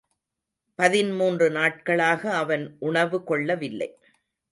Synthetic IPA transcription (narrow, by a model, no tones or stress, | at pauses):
pɐðɪnmuːndrɯnaːʈ̚kɐɭaːɣɐːʋɐnʔʊɳɐʋɯkɔɭːɐʋɪlːɐ̰ɪ